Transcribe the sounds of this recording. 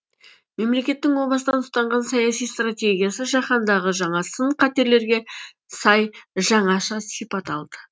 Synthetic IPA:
me̞mle̞kʲe̞t̪ːɪŋwo̞b̪ˠɑsəd̪ɑnʊst̪ɑɴʁɑnsɑjɑsijst̪rat̪ʲe̞ɡʲijasəʒɑχɑnd̪ɑʁəʒɑɴɑsəɴqʰɑt̪e̞ɾle̞ɾɡʲe̞ | sɑjʒɑɴɑʃɑsijpɑt̪ɑlˠd̪̥ə

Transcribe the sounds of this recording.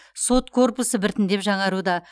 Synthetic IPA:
so̞t̪kʰo̞rpusəbɪɾt̪ɪnd̪e̞pʒɑɴɑɾud̪ɑ

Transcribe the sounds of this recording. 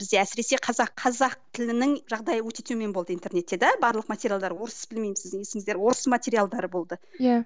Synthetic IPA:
b̥ɪzd̪e̞æsɪɾe̞se̞qʰɑzɑqʰːɑzɑq̚t̪ʰɪlɪnɪŋʒɑʁd̪ɑjəwɵt̪e̞t̪eme̞nbo̞lˠd̪əijnt̪e̞ɾne̞t̪ːe̞d̪æbɑɾlˠəqmat̪ʲeɾjalˠd̪ɑɾwo̞ɾəsə̥bɪlme̞jmɪsɪzd̪ɪŋjesɪŋɪzd̪eɾwo̞ɾəsəmat̪ʲe̞ɾijalˠd̪ɑɾəbo̞lˠd̪əja

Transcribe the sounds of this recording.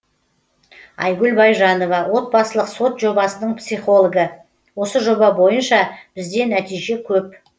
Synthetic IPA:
ɑ̰jɡʲʉlbɑjʒɑno̞vɑwo̞t̪̚bɑsəlˠəqso̞t̪ʒo̞bɑsənəɴpsijχo̞lˠoɡə | wo̞səʒo̞bɑbo̞jənʃɑb̥ɪzd̪e̞næt̪ijʒe̞kʲʰɵp̚

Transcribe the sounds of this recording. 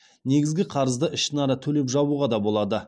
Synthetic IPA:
ne̞ɡʲɪzɡʲɪqʰɑɾəzd̪əʔɪʃɪnɑɾət̪ʰɵle̞pʒɑβuʁɑd̪ɑbo̞lˠɑd̪ə

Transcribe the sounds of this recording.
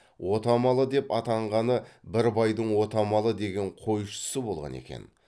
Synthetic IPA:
wʔo̞t̪ɑmɑlˠəd̪e̞pɑt̪ɑɴʁɑnəbɪɾbɑjd̪əɴwo̞t̪ɑmɑlˠəd̪e̞ɡʲe̞ɴqʰo̞jʃə̥səbo̞lˠʁɑ̰ne̞̰kʲe̞̰n

